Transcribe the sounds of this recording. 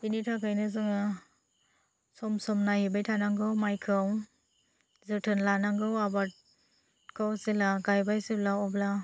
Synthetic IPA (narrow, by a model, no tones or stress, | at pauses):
initʰakʰajnɯzɯŋɯ | sɔmsɔmnahibajtʰanaŋɡɯwmajkʰɯw | zɯtʰɯnlanaŋɡɯwabat̚ | kʰɯwsilaɡajbajsɯblawɔbla